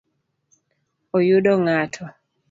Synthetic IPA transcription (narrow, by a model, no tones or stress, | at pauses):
ojuɗɔŋatʰɔ